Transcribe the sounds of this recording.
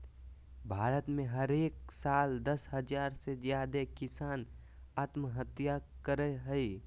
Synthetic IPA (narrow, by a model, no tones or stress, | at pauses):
bʱaːɾət̪mẽɦəɾeːk̚saːld̪əshəd͡ʒaːɾsezjaːd̪ekɪsaːn | aːt̪məɦət̪jakəɾeɦəi